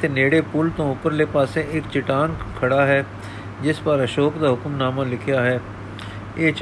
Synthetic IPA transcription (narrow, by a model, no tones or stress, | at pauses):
t̪eneːɽepuːlt̪õʊpəɾlepaːsẽɪːkt͡ʃɪʈaːnkʰɐɽaɦɛː | d͡ʒɪspəɾɐʃoːkd̪aɦʊkmnaːmãlɪkʰjaɦɛː | eːt͡ʃ